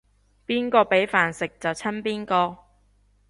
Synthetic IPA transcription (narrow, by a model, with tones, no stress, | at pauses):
piː˥nkɔː˧pe˨˥jfaː˨nsɪ˨k̚t͡sɐ˨wt͡sʰɐ˥npiː˥nkɔː˧